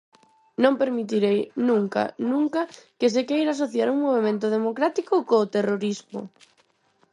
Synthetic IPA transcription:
nõmpeɾmit̪iɾejnũŋka̰nũŋkɐkes̬ekejɾas̬oθjaɾuŋmoβ̞emẽnt̪ʊð̞emokɾat̪ikokoːt̪eroɾismo̰

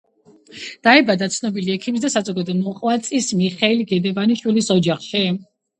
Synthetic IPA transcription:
d̪̥aɛbad̪at̪sʰnɔbiliɛkʰimis̬d̪asazɔɡad̪ɔmɔχʼwat̪sʼismiχɛilɡɛd̪ɛvaniʃwilisɔd͡ʒaχʃi

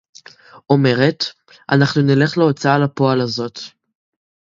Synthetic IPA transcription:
ʔo̞me̞ʁet | ʔa̰naχnunile̞χleo̞t͡saalapo̞alazo̞t

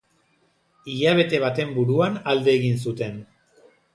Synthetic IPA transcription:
iʎaβ̞e̞t̪e̞β̞at̪e̞mbuɾuanald̪e̞ːɣins̬ut̪e̞n

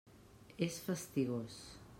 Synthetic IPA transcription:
esfəst̪iɣos

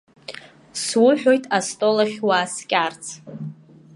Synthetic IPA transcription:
swʊħᶣo̞jtʼastʼolaχʲwaːskʲʼart͡sʰ

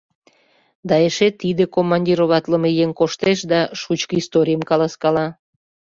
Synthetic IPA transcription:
d̪ɑeʃet̪id̪ekomːɑnʲdʲiɾoβɑt̪ləmejeŋkoʃt̪eʃd̪ɑʃut͡ɕkəist̪oɾʲijəmkɑlɑskɑlɑ

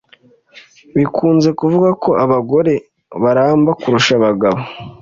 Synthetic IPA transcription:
βikʰuːnze̞kuvuɡako̞ʔaβaɡo̞ɾe̞ | βaɾaːmbakuɾuʃaβaɡaβo

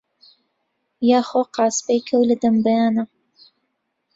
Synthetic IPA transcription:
jɑxoqɑːspejkʰəwləd̪ambajɑna

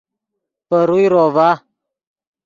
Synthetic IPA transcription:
pəɾujɾɔva

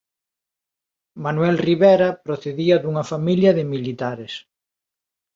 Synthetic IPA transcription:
manwɛlriβɛɾɐpɾoθeðiɐðuŋɐfamiljɐðemilit̪aɾes

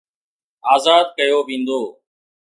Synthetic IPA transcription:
aːzaːd̪̚kəjoːʋĩːnd̪oː

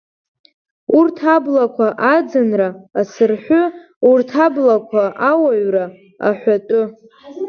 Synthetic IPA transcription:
urtʰablakʷʰaʔad͡zɨnraːsɨrħʷʊ | urtʰablakʷʰaʔawaɥra | a̰ħʷatʷʼʊ

